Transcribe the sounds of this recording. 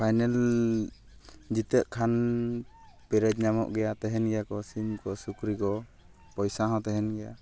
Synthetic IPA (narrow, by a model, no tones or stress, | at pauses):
pʰajnɛl | d͡ʒit̪əʔkʰan | pɛɾɛd͡ʒ̚ɲamɔ̰ʔɡɛjat̪ɛɦɛnɡɛjakɔsimkɔsukɾikɔ | pɔjsaɦãt̪ɛɦɛnɡɛja